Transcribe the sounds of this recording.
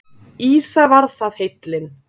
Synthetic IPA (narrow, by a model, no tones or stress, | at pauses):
iːsavaɾðθaðhejt̪lɪn